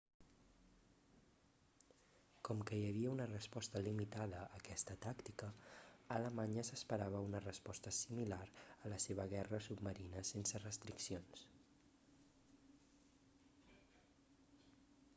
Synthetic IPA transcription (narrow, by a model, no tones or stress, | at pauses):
kɔmkəjəβ̞iəunərəspɔst̪əlimit̪aðəʔːkɛst̪ət̪akt̪ikəːləmaɲəsəspəɾaβ̞əunərəspɔst̪əsimilaɾələseβəɣ̞ɛrəsub̚məɾinəsensərəst̪ɾiksions